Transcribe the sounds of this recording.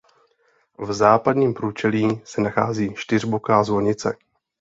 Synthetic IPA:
vzaːpadɲiːmpɾuːt͡ʃɛliːsɛnaxa̰ːziːʃt̪ɪr̝bokaːzvoɲɪt͡sɛ̰

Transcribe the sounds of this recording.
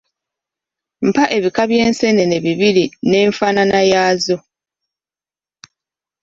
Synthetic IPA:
m̩paʔe̞βikaβje̞ːnse̞ne̞ne̞βiβiɾine̞ːɱfaːnanajaːzo̞

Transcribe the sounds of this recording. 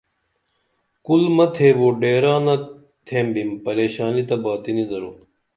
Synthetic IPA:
kulmɐt̪ʰeːʋoːɖeːɾaːnɐ | t̪ʰẽːmbimpɐɾeːɕaːnit̪ɐbaːt̪inid̪ɐɾoː

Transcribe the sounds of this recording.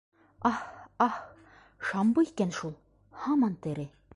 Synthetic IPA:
ɑhɑh | ʃɑmbɤikænʃulˠ | hɑmɑnt̪ɘ̆ɾɘ̆

